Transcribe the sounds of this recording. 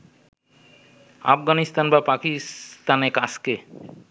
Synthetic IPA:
a̰fɡanist̪anbapakist̪anekaske

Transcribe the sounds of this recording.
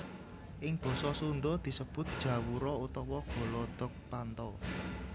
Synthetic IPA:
ʔɪŋb̥ɔ̤sɔsund̪ʊd̪̥i̤səb̥ʊ̤t̪̚d̥ʒ̥ä̤wuɾɔut̪ɔwɔɡ̥ɔ̤lɔd̪̥ɔ̤k̚pant̪ɔ

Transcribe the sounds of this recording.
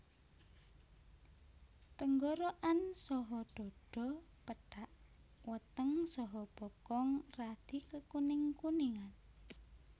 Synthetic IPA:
t̪əŋɡoɾoʔansɔɦɔɖ̪̥ɔ̤ɖ̥ɔ̤pəɖ̥aʔ | wət̪əŋsɔɦɔb̥ɔkɔŋrad̪̥ikəkunɪŋkuniŋan

